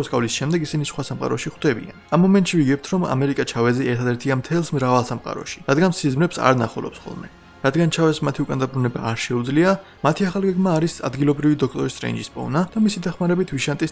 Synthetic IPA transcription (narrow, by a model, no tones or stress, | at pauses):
skʼavlisʃɛmd̪ɛɡisinisχwasamqʼa̰ɾɔʃiχwd̪ɛbḭa̰namːɔmɛnt̪ʼʃiviɡɛp̚t̪ʰɾɔma̰mɛɾikʼat͡ʃʰavɛzɛɛɾt̪ʰad̪ɛɾt̪ʰiamt̪ʰɛlˠsmɾavalˠsamqʼa̰ɾɔ̰ʃi̥ɾad̪ɡansizmɾɛpsa̰ɾna̰χulɔ̰psχɔ̰lˠmɛ | ɾad̪ɡant͡ʃʰavɛsmat̪ʰiukʼand̪abɾunɛba̰ːɾʃɛud̪zlia | mat̪ʰiaχalˠɡɛɡmaːɾisa̰d̪ɡilˠɔbɾivid̪ɔk̚ʰt̪ʼɔɾist̪ʼɾɛ̰ind͡ʒispʼɔ̰nad̪̥amisid̪aχmaɾɛbit̪ʰviʃant̪ʼis